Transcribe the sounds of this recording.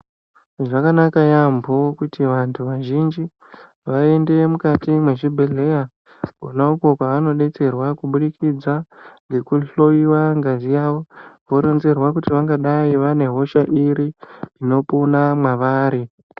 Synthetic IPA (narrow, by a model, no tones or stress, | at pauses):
ʐakanakajambokutiʋantʰuʋaʒind͡ʒi | ʋae̞nde̞mukatimwe̞ʐibʱeɮe̞ja | konauko̞kwaʋano̞ɗe̞t͡se̞rwakuɓuɗikʰid͡zaŋɡe̞kuɬo̞jiwaŋɡazijawo̞ʋo̞ɾo̞nze̞rwakutiʋaŋɡaɗaiʋane̞ɦo̞ʃaʔiɾiino̞punamwaʋaːɾi